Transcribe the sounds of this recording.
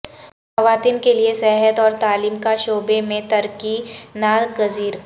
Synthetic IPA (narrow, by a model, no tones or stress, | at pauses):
xxɐʋaːt̪iːnkeliesɛɦət̪ɔːɾt̪aːliːmkaʃoːbemẽt̪ɐɾkinaːd̪ɡɐziːɾ